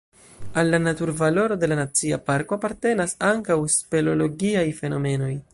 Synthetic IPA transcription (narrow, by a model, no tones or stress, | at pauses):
alːanatuɾvalo̞ɾo̞de̞lanat͡sia̰paɾko̞apaɾte̞nasaŋkawspe̞lo̞lo̞ɡiajfe̞no̞me̞no̞j